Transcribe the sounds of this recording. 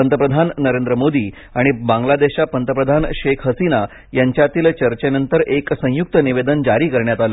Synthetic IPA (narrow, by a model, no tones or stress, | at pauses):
ənt̪əpɾəd̪ʱanːəɾend̪ɾəmod̪iː | aɽ̃ibãŋɡlad̪eɕapənt̪əpɾəd̪ʱanɕekʰɦəsina | jaɲt͡ɕjat̪iːlt͡ɕəɾt͡ɕenənt̪əɾʔeksə̃juk̚t̪əniʋed̪ənd͡ʑaɾiːkəɾɳjat̪alə